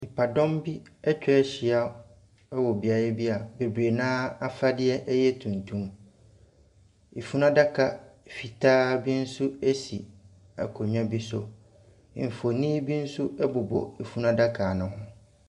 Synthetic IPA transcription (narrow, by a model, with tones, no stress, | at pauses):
mi˨pʰa˨dɔ̃˦mbi˦ɛ˦t͡ɕᶣɛ˦ɛ˦ɕɪ˨a˦ | ɛ˦wɔ˨bi˨a˨jɛ˦bi˦a˨be˨bɾe˨nãː˦a˦fa˦dɪ˦ɛ˦ʔɛ˦jɛ˦tʰũ˨n˨tʰũ˦m | i˨fu˦nã˦da˦kʰa˨fi˨tʰaː˦bi˦n̩˦sʊ˦ɛ˦sḭ˨ | a̰˨kʰo˨ɲᶣã˦bi˦sʊ˨ | m̩˨fo˨nĩ˦bi˦n̩˦sʊ˦ɛ˦bʊ˨bɔ̰˨i˨fu˦nã˦da˦kʰa˨nʊ̃˨ɦʊ̃˦